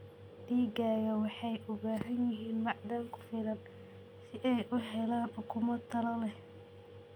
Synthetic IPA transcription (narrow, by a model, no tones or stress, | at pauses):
d̪̥iːɡaːɣɐwɑħɑjʔʊβaːɦɐnjɪɦiːnmɑʕd̪aŋkʰʊ̥fɪlɐn | sɪʔɛjʔʊɦɛlaːnħʊkʰʊmɐt̪ʰɐlɐlɛh